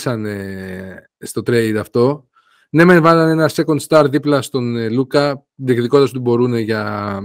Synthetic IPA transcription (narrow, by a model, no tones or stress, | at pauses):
sɐne | st̪o̞t̪ɾe̞jd̪ɐft̪o̞ | ne̞menvɐlɐne̞nɐse̞ko̞nd̪st̪ɐɾðiplɐst̪o̞nlukɐ | ðikðikot̪ɐs̬ot̪ibo̞ɾune̞ʝɐ